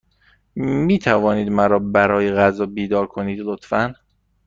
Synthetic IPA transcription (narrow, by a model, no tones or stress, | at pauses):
miːt̪ʰævɒːniːd̪mæɾɒːbæɾɒːjeɣæzɒːbiːd̪ɒːɾkʰoniːd̪lot̪ʰfæn